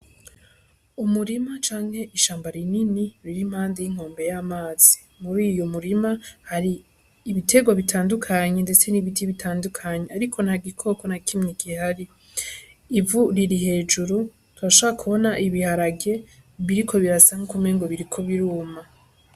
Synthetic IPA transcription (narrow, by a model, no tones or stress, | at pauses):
umuɾimat͡ʃaːŋ̥he̞ʔiʃaːmbaɾininiɾiɾim̥haːndejiŋ̥ho̞ːmbe̞jamaːz̥i | muɾijomuɾimahaɾiː | βitʰe̞ɡwaβitʰaːndukʰaɲe̞ndet͡se̞niβitʰiβitʰaːndukʰaɲeaɾikʰo̞nhaɡikʰo̞ːko̞nakimɲiɡihaɾi | ivuɾiɾihe̞ːd͡ʒuɾu | twaʃoββakʰuβo̞naʔiβihaɾaɡe̞ | βiɾikʰo̞βiɾasaŋokume̞ŋɡo̞βiɾikʰo̞βiɾuːma